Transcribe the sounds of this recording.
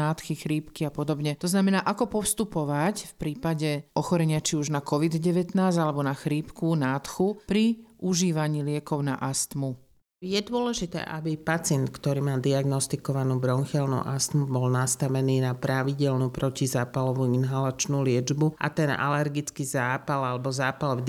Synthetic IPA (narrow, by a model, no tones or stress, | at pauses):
aːt̪xixɾiːpkiapɔd̪ɔbɲɛt̪ɔznamɛnaːʔakɔpɔfst̪upɔʋacfpɾiːpaɟɛʔɔxɔɾɛɲɪat͡ʃiuʒnakɔʋid̪ɟɛʋɛt̪naːzalɛbɔnaxɾiːpkunaːt̪xupɾiʔuʒiːʋaɲiːlɪɛkɔʊna̰ʔast̪mu | jɛd̪ʊɔlɛʒit̪ɛ̰ːʔabipat͡sɪɛnt̪kt̪ɔɾiːmaːd̪iaɡnɔst̪ikɔʋanuːbɾɔnxɛlnṵːʔast̪mubɔlnast̪aʋɛniːnapɾaʋiɟɛlnupɾɔcizaːpalɔʋuːinɦalat͡ʃnuːlɪɛd͡ʒbuʔa̰t̪ɛna̰lɛɾɡit͡skiːzaːpalalɛbɔzaːpal